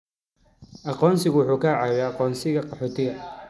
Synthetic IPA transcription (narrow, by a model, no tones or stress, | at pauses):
ʔɑqɔːnsɪɣʊwʊħuːkʰaʕɑβɛɑqɔːnsɪɣɐqɑħɔːt̪ʰɪɣɐ